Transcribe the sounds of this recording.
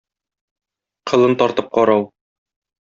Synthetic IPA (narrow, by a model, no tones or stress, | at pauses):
qʰɤ̆lˠɤnt̪ɒɾt̪ɤp̚qɒɾɑw